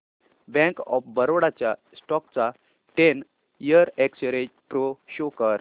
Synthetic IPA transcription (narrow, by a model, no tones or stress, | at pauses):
bɛ̃kɔ̰fbəɾoɽat͡ɕja | sʈɔk̚t͡sa | ʈen | ijəɾeksəɾed͡ʑpɾoɕokəɾ